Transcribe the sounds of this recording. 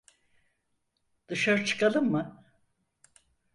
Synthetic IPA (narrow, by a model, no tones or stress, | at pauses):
d̪̥ɯʃaɾɯt͡ʃʰɯ̥kalˠɯmːɯ